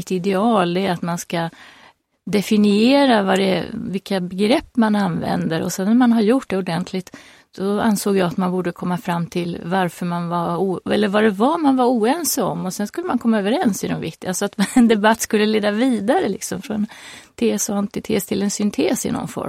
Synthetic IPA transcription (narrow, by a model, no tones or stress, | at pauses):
t̪ɪd̪ɛɑːld̪ɛat̪manska | d̪ɛfɪnɪeːɾavad̪ɛ̰vɪkːabɛɡɾɛpːmananvɛ̰nd̪əɾɔ̰sɛnːæɾmanɦaɾjʊʈɖɛʊɖɛnt̪ʰlɪt̪ | d̪̥ɔa̰nsoːɡjɑːɡat̪manbuːɖəkʰɔmːafɾamːt̪ʰɪlvaɾfœɾmanvauːɛlːəɾvad̪ɛvamanvaɾuːɛnsɔ̰mːɔsɛnskɵlːəmankʰɔmːaøːvəɾɛnsɪd̪ɛmvɪkt̪ɪalsɔat̪ɛnd̪ɛbat̪ːskɵlːəleːd̪aviːd̪aɾəlɪksɔmfɾɔnɛnt̪ʰeːsɔant̪ɪt̪ʰḛːst̪ʰɪlːɛnsʏnt̪ʰeːsɪ̰nɔ̰nfɔ̰ɾm